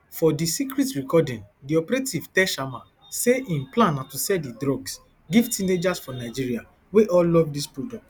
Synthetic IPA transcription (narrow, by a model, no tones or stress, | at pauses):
fɔdisikɾitɹikɔdĩndiɔpɾetiv̥tɛʃama | seʔĩmplãnːatusɛdidɾɔɡs | ɡivtʰined͡ʒasfɔnaɪd͡ʒiɹia | weʔɔllɔvdispɹodɔt